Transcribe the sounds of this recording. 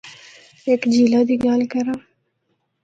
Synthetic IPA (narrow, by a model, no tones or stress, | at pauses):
ekd͡ʒilad̪iɡɑːlkaɾa